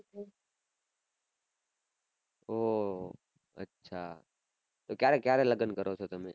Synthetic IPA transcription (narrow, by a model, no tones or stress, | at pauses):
oː | ə̰tːʃʰa̰ː | t̪oːkjaːɾekjaːɾeləɡənkəɾoːsʰoːt̪əmḛ̃ː